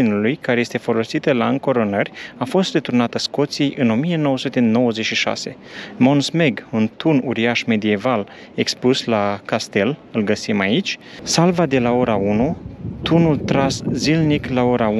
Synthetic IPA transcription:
inulujkaɾejest̪e̞fo̞lo̞sit̪əlaɨŋko̞ɾo̞nərʲafo̞st̪de̞t̪uɾnat̪əsko̞t̪sijʔɨno̞mije̞no̞wəsut̪e̞no̞wəzet͡ʃʃiʃa̰se̞̰ | mo̞nsme̞ɡunt̪unuɾiaʃme̞d̪ie̞val | ekspuslakast̪e̞lɨlɡəsimait͡ʃʲsalvad̪e̞lao̞ɾaunut̪unult̪ɾaszilniklao̞ɾa

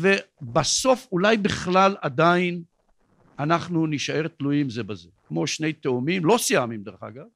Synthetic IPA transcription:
vebaso̞fulajbiχlalad̪ain | anaχnuniʃae̞ʁt̪lujimzebazekmo̞ʃne̞jt̪eomimlo̞sijamimd̪eʁeχa̰ɡav

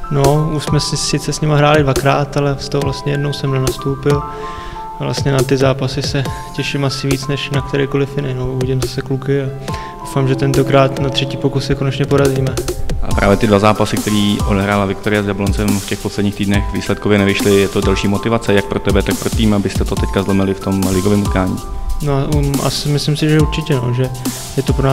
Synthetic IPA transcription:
no̞uʃsmɛsɪsɪt͡sɛsɲɪmaɦɾaːlɪdvakɾaːt̪alɛst̪oɦovlast̪ɲɛjɛdno̞wsɛmnɛnast̪owpɪl | avlʔa̰st̪ɲɛnat̪ɪzaːpasɪsɛcɛʃɪmasɪviːt͡snɛʃnak̚t̪ɛɾɛjko̞lɪfjɪnɪnouviɟɪmzasɛklukɪa | dowfaːmʒɛt̪ɛnt̪o̞kɾaːt̪nat̪r̝̥ɛciːpo̞kussɛko̞nɛt͡ʃɲɛpo̞ɾaziːmɛʔa̰pɾaːvjɛt̪ɪdvazaːpasɪk̚t̪ɛɾiːʔo̞dɛɦɾaːlavɪk̚t̪oɾɪjazjablont͡sɛmfcɛxposlɛdɲiːkt̪iːdnɛxvḭːslɛt̪̚kovjɛnɛvɪʃlɪjɛt̪o̞dɛlʃiːmo̞t̪ɪvat͡sɛjak̚pɾot̪ɛbɛt̪ak̚pɾot̪iːmabɪst̪ɛt̪ot̪ɛckazlɛmɪlɪft̪o̞mlɪɡovɪːmut̪kaːɲḭːnoaa̰sɪmɪslɪmsɪʒɛuɾt͡ʃɪcɛno̰ʒɛ | jɛt̪opɾonaː

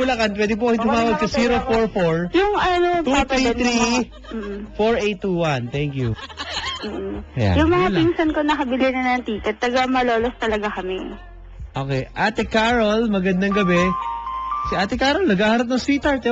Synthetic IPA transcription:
ʊlɐkanpwɛd̪ɪp̬okɐmɪt̪ʊmaːwɐɡ̚sɐsiːɾofoɹfoɹjʊŋɐnot̪ut̪ɾiɾi | m̩ːʔ̩foɹʔet̪ːuwɐnt̪ɛŋkju | m̩ːja̰jʊŋmɐŋaliŋsɐnkonɐkɐbɪlɪnɐnɐŋt̪iːkɛt̪ːɐɡamɐlo̞ːlost̪ɐlɐɡakɐmɛ | ʔoːkɛjʔaːt̪ɛkaɾolmɐɡɐnd̪aŋɡɐbɛ | siʔaːt̪ɛkaːɾolnɐɡaːhɐɾɐp̬̚nɐŋsit̪ɐɹt̪ɛ

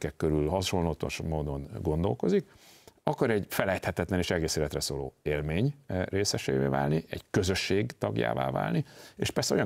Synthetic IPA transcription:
kɛkkːøɾylɦɒʃo̞nlot̪o̰ʃmoːd̪o̞nɡo̞nd̪o̞lko̞zikɒkɒɾɛɟfɛlɛjt̪hɛt̪ɛt̪lɛneːʃɛɡeːseːlɛt̪rɛsoːlo̰ːeːlmeːɲreːsɛʃḛːvḛːva̰ːlniʔɛ̰ɟkø̞zø̞ʃːeːɡt̪ɒɡja̰ːva̰ːva̰ːlnieːʃpɛrsɛo̞jɒ

